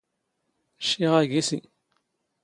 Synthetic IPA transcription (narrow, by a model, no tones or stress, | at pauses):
ʃiʁæɡisḭ